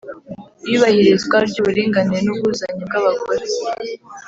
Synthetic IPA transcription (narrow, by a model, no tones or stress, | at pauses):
iβahiɾezɡwaɾɟuβuɾiːŋɡaniɾenuβuzaɲub̚ɡaβakoɾe